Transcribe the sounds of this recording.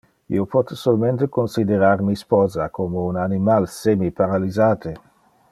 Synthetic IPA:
ḭopɔt̪solment̪ekonsid̪eɾaːrmispɔːzakomounanimalsemipaɾalizaːt̪ʰe

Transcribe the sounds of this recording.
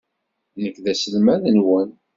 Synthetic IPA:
nəkːðæsəlmæðənwən

